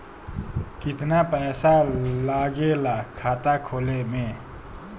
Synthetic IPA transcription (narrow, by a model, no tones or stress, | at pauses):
kɪt̪napɛːsalaːɡelakʰaːt̪akʰoːlemẽ